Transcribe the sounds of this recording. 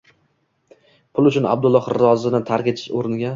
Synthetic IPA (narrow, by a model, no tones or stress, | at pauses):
pʰʊlˠʊt͡ʃʰʊna̰b̚d̪ʊlˠːɒhɾɒzɪnɪt̪ʰaɾkʲet͡ʃ̪ʰɪ̥ʃoɾɪnɡʲa